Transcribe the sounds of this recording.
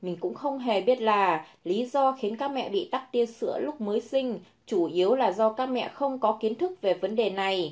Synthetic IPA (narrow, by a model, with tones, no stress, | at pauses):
mï˨˩ŋ̟kʊ̰˧˥ŋ͡mxə˧wŋ͡mɦe˨˩ɓi˦˥ət̚laː˨˩li˨˦zɔ˧xi˨˦ənkaː˦˥k̚mɛ̰˧˨ɓḭ˧˨ɗ̪a˦˥k̚t̪i˧ənsɨ̰˧˥əlʊ˦˥k͡p̚məː˨˦jsï˧ŋ̟ | t͡ɕu˧˩ʔi˨˦əwlaː˨˩zɔ˧kaː˦˥k̚mɛ̰˧˨xə˧wŋ͡mkɔ˨˦ki˨˦ənt̪ʰɨ˦˥k̚ve˨˩və˨˦nɗe˨˩na˨˩j